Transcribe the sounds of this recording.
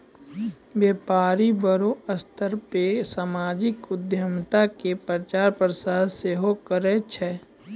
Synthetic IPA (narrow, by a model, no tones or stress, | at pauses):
bjeːpaːɾibəɾoəst̪ʰəɾpesamaːd͡ʒɪkʊd̪jəmt̪akepɾɾət͡ʃaːɾpɾəsaːd̪seɦokəɾet͡ʃʰɛː